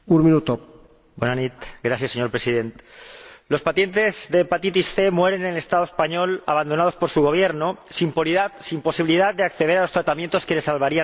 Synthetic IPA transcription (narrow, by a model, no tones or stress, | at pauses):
unmĩnut̪o | bwenanit̪ɡɾaθjaseɲo̞ɾpɾe̞siðe̞nt̪lo̞spaθje̞nt̪e̞zðe̞pat̪it̪isθe̞mwe̞ɾe̞nele̞st̪aðoe̞spaɲo̞la̰βand̪o̞nað̞ospo̞ɾsuɣ̞o̞β̞je̞ɾnosimpoðatsimpo̞siβiliðat̪̚d̪e̞akθeð̞e̞ɾalo̞st̪ɾat̪amjent̪o̞ske̞le̞salβaɾia